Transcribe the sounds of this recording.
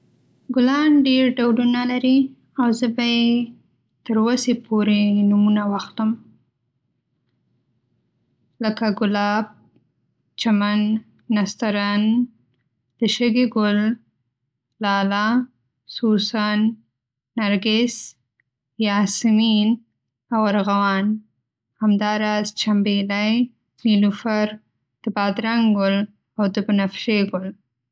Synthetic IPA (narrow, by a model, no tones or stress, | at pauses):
ɡʊlɑnɖeɾɖawlunalaɾi | awzəbaje | t̪əɾwəsepʰoɾenumunawaxt̪əm | ləkaɡʊlɑb̚ | t͡ʃamanː | ast̪aɾan | d̪̥əʃəɡeɡʊl | lɑla | susanː | aɾɡɪs | jɑsɪmin | awaɾɣawɑn | hamd̪ɑːɾɑzt͡ʃambelaj | nilufaɾ | d̪̥əbɑd̪ɾaŋɡɡʊl | awd̪əbənafʃeɡʊl